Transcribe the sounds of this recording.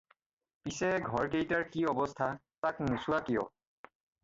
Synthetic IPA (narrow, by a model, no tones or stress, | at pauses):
pisɛɡʱɔɹkejtaɹkiɔbɔstʰa | taknusuwakijɔ̰